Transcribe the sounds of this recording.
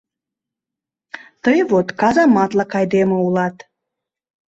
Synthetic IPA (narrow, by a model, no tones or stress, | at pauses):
t̪əjβot̪kɑzɑmɑt̪lˠɑkɑjd̪emə̆ulˠɑt̪